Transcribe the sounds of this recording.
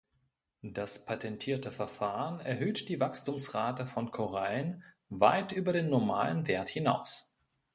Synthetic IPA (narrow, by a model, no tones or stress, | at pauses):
d̥aspʰatʰɛntʰiːɐtəfɛɐfaːʁənɛɐɦøːtd̥iːvakstʰuːmsʁaːtəfɔnkʰoʁaln | vaɪtʔyːbɐdeːnːɔɐma̰ːlənveːɐthɪna̰ʊs